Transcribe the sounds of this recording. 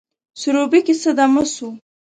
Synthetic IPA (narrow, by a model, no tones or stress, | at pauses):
suɾobikisəd̪aməsu